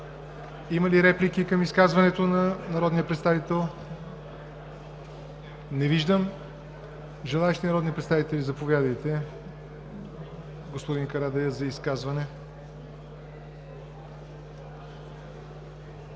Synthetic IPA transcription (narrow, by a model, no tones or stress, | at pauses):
iməliɾɛplikikəmiskazvɐnɛt̪onɐnɐɾɔd̪nijəpɾɛt̪st̪avit̪ɛlˠ | nɛviʒd̪əm | ʒɛlˠaɛʃt̪inɐɾɔd̪nipɾɛt̪st̪avit̪ɛlʲizɐpovjad̪əjt̪ɛ | ɡospod̪inkɐɾad̪ɛjəzɐiskazvɐnɛ